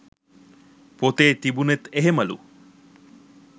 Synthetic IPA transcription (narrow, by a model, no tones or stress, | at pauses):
pot̪eːt̪ibunet̪eɦemɐlṵ